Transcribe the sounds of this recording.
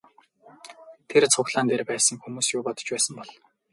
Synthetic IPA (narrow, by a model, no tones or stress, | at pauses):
t̪ʰert͡sʰʊkɮaːnt̪eːrpæːsə̆ŋxumuːsjʊːpɔt̪ɞ̥̆t͡ɕpæːsə̆mpɔɮ